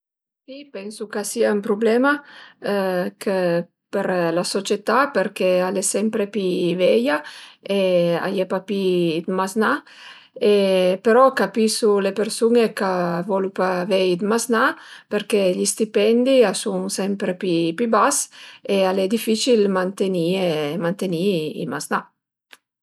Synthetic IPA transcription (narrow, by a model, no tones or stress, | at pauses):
sipɛnsukasiaumpɾublɛma | kʰə | peɾlasot͡ʃet̪apeɾkealesɛmpɾepivɛjaea̰jɛpapid̪mazna | epeɾɔkapisulepeɾsunekavɔlupavɛid̪maznapeɾkeʎist̪ipɛnd̪iasuŋsɛmpɾepipibasealɛd̪ifit͡ʃilmant̪eniemant̪eniḭmazna